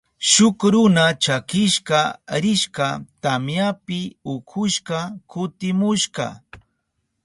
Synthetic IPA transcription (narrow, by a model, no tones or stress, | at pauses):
ʃʊkɾʊnat͡ʃakɪʃqɑɾɪʃɢɑt̪amjapɪʊkʰʊʃɢɑkʊt̪ɪmʊʃɢɑ̰